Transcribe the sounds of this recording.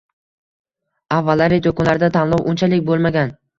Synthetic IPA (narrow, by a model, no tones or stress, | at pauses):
avːalːaɾet̪okʊnlaɾɪd̪at̪ʰanlˠɒwʔʊnt͡ʃʰalɪkʲbolˠmaɡʲan